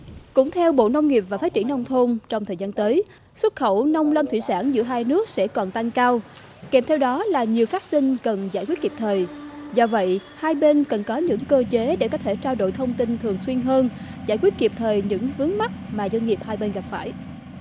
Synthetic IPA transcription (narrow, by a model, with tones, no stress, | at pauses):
kʊ̰˧˥ŋ͡mt̪ʰɛ˧wɓo̰˧˨nə˧wŋ͡mŋi˨˩p̚vaː˨˩faː˨˦˥t̚t͡ɕi˧˩ənːɔ˧wŋ͡mt̪ʰo˧nt͡ɕɔ˧wŋ͡mt̪ʰəː˨˩jzaː˧nt̪əː˨˦j | swə˦˥t̚xə̰˧˩wnə˧wŋ͡mlə˧mt̪ʰwi˧˨saː˧˩nzɨ̰˧˥əɦaː˧jnɨ˦˥ək̚sɛ̰˧˥kɔ˨˩nt̪a˧jŋkaː˧w | kɛ˨˩mt̪ʰɛ˧wɗɔ˨˦laː˨˩ɲi˨˩əwfaː˦˥t̚sï˧ŋ̟kə˨˩nza̰ː˧˩jkwi˦˥t̚ki˨˩p̚t̪ʰəː˨˩jzɔ˧və̰˧˨jhaː˧jɓe˧nkə˨˩nkɔ˨˦ɲɨ̰˧˥ŋkəː˧t͡ɕe˨˦ɗe˧˩kɔ˦˥t̪ʰe˧˩t͡ɕaː˧wɗo̰˧˨jt̪ʰə˧wŋ͡mt̪ï˧nt̪ʰɨ˨˩əŋswi˧ənɦəː˧nza̰ː˧˩jkwi˦˥ət̚ki˨˩p̚t̪ʰəː˨˩jɲɨ̰˧˥ŋvɨ˨˦əŋma˦˥t̚maː˨˩zwə˧nŋi˨˩əp̚haː˧jɓe˧nɣa˨˩p̚faː˧˩j